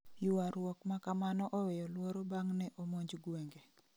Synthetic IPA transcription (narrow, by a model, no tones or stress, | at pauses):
jʊwaɾwɔkmakamanɔʔɔwejɔlwoɾobaŋnɛʔomoɲd͡ʒɡweŋɡe